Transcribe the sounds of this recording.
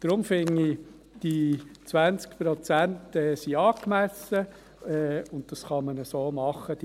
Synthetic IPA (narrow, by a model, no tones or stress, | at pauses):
d̪̥ɾʊmfɪŋi | d̥it͡sʋænt͡skpɾɔt͡sæntɛsiɑːkmæsə | ɛʊnt̚d̥ɑsχɑmənəsoːmɑχːəd̥